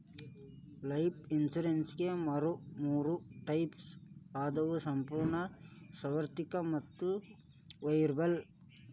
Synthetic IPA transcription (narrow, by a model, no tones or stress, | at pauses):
lɐjpinsuɾensɡemɐɾumuːɾuʈɐjpsaːd̪ɐʋusɐmpuːɾɳɐsɐʋɐɾt̪ikɐmɐt̪ːu | ʋɐjɾbɐl